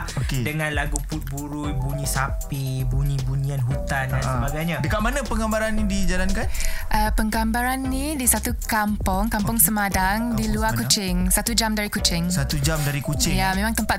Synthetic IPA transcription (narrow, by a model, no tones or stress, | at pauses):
okedəŋãnlaɡuput̪̚buɾujbuɲĩsapibuɲĩbuɲĩanɦut̪ananʔsəbaɡajɲadəkaʔ̚manə̃pəŋɡambaɾanːidid͡ʒalankanʔəpəŋɡambaɾanːidisat̪ukampɔŋkampʊŋsəmadaŋdiluakut͡ʃɪŋsat̪ud͡ʒamdaɾikut͡ʃɪŋsat̪ud͡ʒamdaɾikut͡ʃɪjamẽmaŋt̪əmpat̪